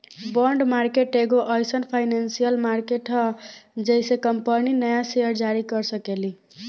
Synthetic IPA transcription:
bəɳɖmaɾkeʈeɡoʔəjsənpʰajnensijəlmaɾkeʈɦʌd͡ʒəjsekəmpəninəjaseəɾd͡ʒaɾikəɾsəkeli

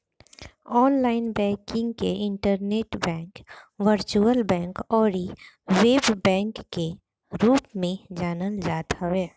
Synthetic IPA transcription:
ɔːnlaːɪnbɛ̃ːkɪ̃ŋɡkeʔɪ̃ɳʈəɾneːʈbɛ̃ːŋkʋəɾt͡ʃuəlbɛ̃ːŋkɔːɾi | ʋeːbbɛ̃ːŋkːe | ɾuːpmẽd͡ʒaːnəld͡ʒaːt̪aʋɛː

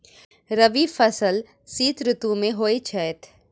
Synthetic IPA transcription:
ɾɐʋifɐsəl | siːt̪ɾʊt̪ũmẽɦoːet͡ʃʰɛːt̪ʰ

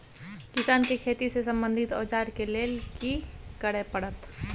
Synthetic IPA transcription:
kɪsaːnkekʰeːt̪isesə̃mbə̃nd̪ʱɪt̪o̰ːd͡ʒaːɾkeleːlkikəɽepəɽət̪

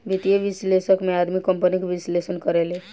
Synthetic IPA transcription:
ʋɪt̪ijeʋɪsleʃəkmẽaːd̪mikəmpənikʋɪsleːʃənkəɾeːleː

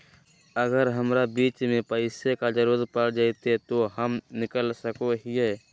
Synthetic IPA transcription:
əɡəɾɦəmɾabiːt͡ʃmẽpəɪsekad͡ʒəɾuːɾət̪̚pəɽd͡ʒaɪt̪et̪oɦəmnɪkəlsəkoɦiɦeː

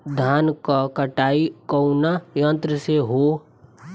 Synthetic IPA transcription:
d̪ʱaːnkakəʈaːikəʊnajə̃nt̪ɾəseɦo

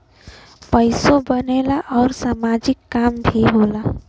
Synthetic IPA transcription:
pəjsobənelaʔɔʊɾsamad͡ʒikːambʱiɦola

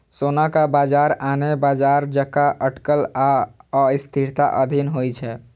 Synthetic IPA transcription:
sonakabad͡ʒaɾanebad͡ʒaɾd͡ʒəkaʔəʈkəlaəist̪ʰiɾt̪a̰ʔəd̪ʱinɦojt͡ʃʰɛ

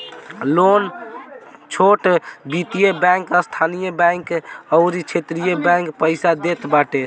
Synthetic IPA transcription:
lon | t͡ʃʰoʈbit̪ijebãŋkəst̪ʰanijəbãkəʊɾit͡ʃʰet̪ɾijebaŋkpəɪsad̪et̪baʈe

